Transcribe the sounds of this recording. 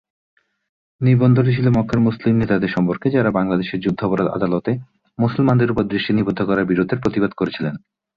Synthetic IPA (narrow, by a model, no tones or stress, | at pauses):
niɾbond̪ʱoɾit͡ɕʰilomɔkʰːaɾmuslimnet̪ad̪eɾʃɔmpoɾked͡ʑaɾabaŋlad̪eʃeɾd͡ʑud̪ʱːopoɾad̪a̰d̪alot̪e | musolmand̪eɾupoɾd̪ɾiʃʈinibod̪ʱːokɔɾaɾbiɾod̪ʱeɾpɾot̪ibad̪̚koɾet͡ɕʰilen